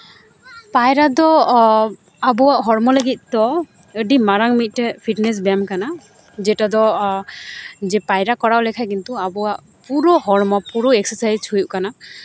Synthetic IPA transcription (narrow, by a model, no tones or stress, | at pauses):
pajɾad̪ɔ | abɔwaʔɦɔɾmɔləɡit̪̚ˀt̪ɔ | əɖimaɾaŋmit̪̚ˀʈɛpʰiʈnɛs̬bɛamkana | d͡ʒɛʈad̪ɔ | d͡ʒɛpajɾakɔɽawlɛkʰajk̬int̪uabɔwaʔ | puɾɔɦɔɾmɔpuɾɔɛksəsajzt͡ʃʰujuʔ̚kana